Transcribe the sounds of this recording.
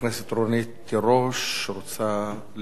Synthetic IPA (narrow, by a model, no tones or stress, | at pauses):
neset̪ɾonit̪ːeɾoʃːeɾot͡sa | l